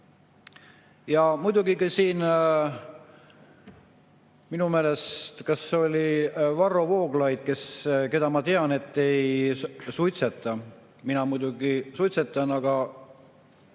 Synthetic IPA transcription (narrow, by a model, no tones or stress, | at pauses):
jɑmujd̪̥uɡikisiːn | minumeːle̞st̪kɑso̞lʲivɑrːovo̞ːɡlɑjd̪̥̚ke̞ske̞d̪ɑmɑt̪eɑne̞t̪ːe̞jsujt̪set̪ˑːɑ | minɑmujd̪uɡisujt̪set̪ːˑɑnɑɡɑ